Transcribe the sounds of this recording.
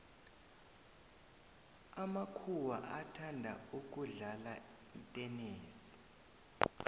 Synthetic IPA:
amakʰuwa̰ʔatʰandʱa̰uk̬ʼuɮala | itʼɛneːsi̥

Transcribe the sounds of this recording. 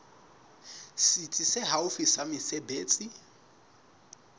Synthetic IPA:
sit͡sʼisɪɦaʊfisamɪsebeːt͡sʼi

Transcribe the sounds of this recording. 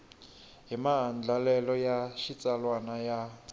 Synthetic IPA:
ɦimaɦand͡ɮʱalɛlɔjaʃit͡sʼalwanaja

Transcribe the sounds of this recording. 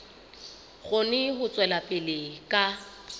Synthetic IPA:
ɣʊnɪɦʊt͡sʼwɛlapʼɪlɪkʼa

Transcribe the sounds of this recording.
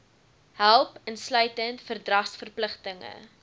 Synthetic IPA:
hælˠpənslœɥtəntfərdrɐχsfərpləχtəŋə̰

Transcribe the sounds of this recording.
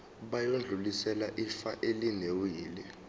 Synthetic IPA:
ɓajond͡ɮʱulisɛlaʔifaʔelinewjiːlɛ

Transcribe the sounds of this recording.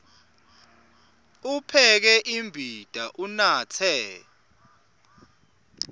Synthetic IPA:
upʰɛk̬ɛʔimbʱid̥ʱaʔunaːt͡sʰɛ

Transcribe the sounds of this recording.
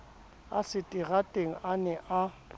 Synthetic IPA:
a̰sɪtʼiɣatʼeŋ̩ʔanɛʔa

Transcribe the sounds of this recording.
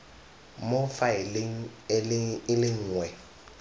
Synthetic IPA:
mofaɪlɪŋ̩ | ɪlɪŋ̩ːŋwɛ

